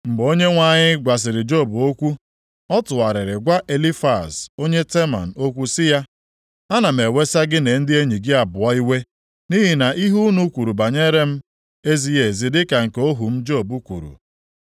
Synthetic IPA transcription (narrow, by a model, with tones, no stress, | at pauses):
m̩˨ɡ͡bo˦ɲe˦ŋʷa˦˨ɲɪ˦ɡʷa˨s̬ɪ˨ɾɪ˨d͡ʒo˦˨bu˨o˦kʷu˦ | ɔ˦tʊ˨wa˨ɾɪ˨ɾɪ˨ɡʷa˦ʔe˨li˦fa˨so˦ɲe˦te˦ma̰˨n̩˨o˦kʷu˦sɪ˦ja˦ | a˦na˨m̩˨e˨we˦sa˦ɡɪ˦ne˨˦n̩˦dɪ˦e˦ɲi˨ɡɪ˦a˨bʊ˨ɔ˦i˦we˦ | ni˦ɦi˨na˨ʔi˦ɦu˦nu˦kʷu˨ɾu˨ba˨ɲe˦ɾe˦m̩˦ | e˦zi˦je˨zi˦dɪ˦ka˨ŋ̩˨ko˦ɦu˨m̩˦d͡ʒo˦˨bu˦kʷṵ˨ɾṵ˨